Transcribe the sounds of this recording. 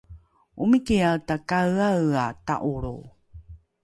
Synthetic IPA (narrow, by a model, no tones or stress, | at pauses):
ʔumikialtakaɰaɰata̰ʔuɾṵ